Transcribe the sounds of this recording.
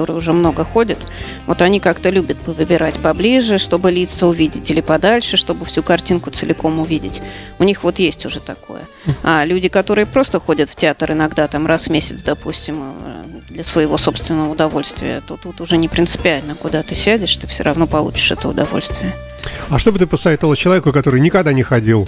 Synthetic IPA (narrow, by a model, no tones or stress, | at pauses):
t̪oɾɨjʊʐɛmno̞ɡəxo̞dʲət̪ | vo̞̰t̪ɐnʲikakt̪əlʲubʲət̪̚pəvɨbʲɪɾatʲpɐblʲiʐɨʂt̪o̞bɨlʲit̪səʊvʲidʲɪtʲɪlʲɪpɐd̪alʲʂɨʂt̪o̞bɨfsʲukɐrtʲinkʊt̪sɨlʲɪko̞mʊvʲidʲɪ̰tʲʊnʲixvo̞t̪jesʲtʲʊʐɛt̪ɐko̞̰jə̰ | alʲʉdʲɪkɐt̪o̞ɾɨjəpɾo̞st̪əxo̞dʲət̪ftʲɪat̪ərɨnɐɡd̪at̪amrasmʲesʲɪt̪sd̪ɐpusʲtʲɪm̰d̪lʲəsvəjɪvo̞so̞pst̪vʲɪnːəvəʊd̪ɐvo̞lʲst̪vʲɪ̰ə̰t̪o̞t̪ut̪ʊʐɛnʲɪpɾʲɪnsɨ̥pʲɪalʲnəkʊd̪at̪ɨsʲædʲɪʂt̪ɨfsʲo̰ɾʔɐvno̞pɐlˠṵt͡ɕɪ̥ʂɛ̰t̪əʊ̰d̪ɐ̰vo̰lʲst̪vʲɪjə | aʂt̪o̞bɨt̪̬ɨpəsɐvet̪əlˠət͡ɕɪlˠɐvʲekʊkɐt̪o̞ɾɨjnʲɪkɐɡd̪anʲɪxɐdʲilˠ